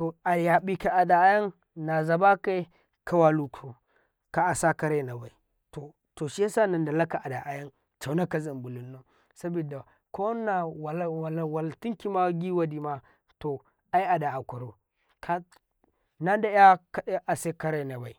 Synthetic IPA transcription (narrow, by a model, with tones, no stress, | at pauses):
to˨a˨ja˨bi˦ka˨a˨da˨˦ja˦n | na˨za˨ba˦ka˦ | kʰa˦wa˨lu˨kʰu˨ | ka˨a˨sa˦ka˦ɾe˦˨na˨ba˨i˨ | to˨ | to˨ʃi˦a˦sa˦na˨nda˨la˦ka˨ʔa˨da˨ʔa˨ja˦n | t͡ʃa˨˦na˦ka˨za˨mbu˨lu˨nːo˦ | sa˦bi˨da˨ | ko˦na˨a˨˦˨wa˨lti˦ŋki˦ma˦ɡi˦wa˦di˨ma˦ | to˨ | a˦i˦a˨da˨a˨kʷa˨ɾo˨ | kʰa˦ | na˦da˦a˦ka˦ɗe˦ʔa˨se˦ka˦ɾe˦˨na˨ba˨i˨